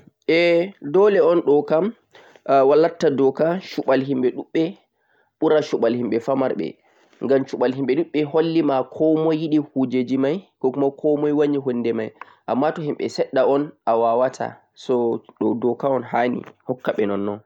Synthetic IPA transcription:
ʔɛdɔlɛɔnɗɔkam | walːatːadɔkaʃuɓalɦimɓɛɗuɓːɛ | ɓuɾaʃuɓalhimɓɛfamaɾɓɛ̰ | ŋɡamt͡ʃuɓalɦimɓɛɗuɓːɛɦolːimakʰɔmɔjːiɗihud͡ʒed͡ʒimajkɔkumakʰɔmɔjwaɲiɦonːdɛmaj | ʔamːatɔhimɓɛ̰sɛɗːaɔnʔawawatʰa̰ | sɔɗɔdɔkaɔnɦanḭhɔkːaɓɛnɔnːɔn

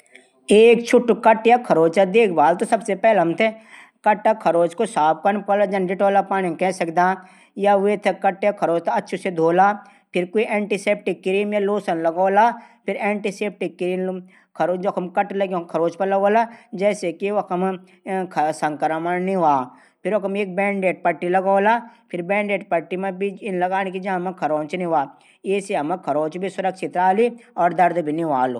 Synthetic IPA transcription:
eːk̚t͡ʃʰʊʈkɐʈjakʰɐɾoːd͡ʒt͡ʃad̪eːkʰbaːlt̪osɐbsepɛːlɦɐmt̪ʰe | kɐʈːakʰɐɾoːt͡ʃkosaːp̚kɐnpɐlad͡ʒɐnɖɪʈoːlapaːnẽkɛsɐkd̪aː | jaʋet̪ʰekɐʈjakʰɐɾoːt͡ʃt̪oɐtːʃʰsed̪ʱoːlaː | pʰɪɾkoːiʔɛ̃ːɳʈiseːp̚ʈɪkːɪɾiːmjaloːsənlɐɡoːlapʰɪɾɛ̃ːɳʈiseːp̚ʈɪkːɾiːm | kʰɾoːd͡ʒokʰɐmkɐʈlɐɡjõkʰɐɾoːt͡ʃpɐlɐɡoːlad͡ʒɛːsekiʋɐkɐm | kʰsɐ̃ŋkəɾmɐniʋaː | pʰɪɾʋɐkɐmeːk̚bɛ̃ːɳɖeːʈ̚pɐʈːilɐɡoːlapʰɪɾbɛ̃ːɳɖeːʈpɐʈːimẽbʱiɪnlɐɡaːñk̬id͡ʒãmɐ̃kʰɐɾoːnt͡ʃniʋaː | jeːseɐmẽkʰɐɾoːt͡ʃbʱisʊɾɐkʃɪt̪ɾaːliɔːɾd̪ɐɾd̪bʱiniʋaːlo

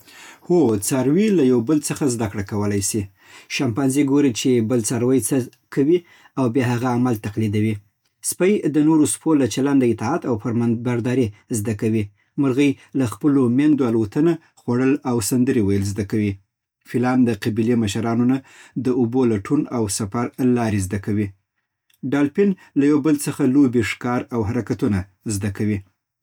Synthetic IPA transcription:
hot͡sɑɾwilajawbəlt͡səxazd̪akɽakawəlajsi | ʃampɑnziɡoɾet͡ʃebəlt͡saɾwəjt͡sə | kʰawi | awbjɑɦaɣaːmalt̪aqlid̪awi | spəjd̪ənoɾospolat͡ʃaland̪aɪt̪ɑat̪awpaɾmabaɾd̪ɑɾizd̪akawi | məɾɣəj | laxpəlomjand̪oalwot̪əna | xwaɽəlawsand̪əɾewajəlzd̪akawi | filɑnd̪əqabileməʃaɾɑnonad̪əubolaʈʰunawsafaɾlɑɾezd̪akawi | ɖɑlpɪn | lajawbəlt͡səxalobiʂkɑɾawɦaɾakat̪una | zd̪akawi

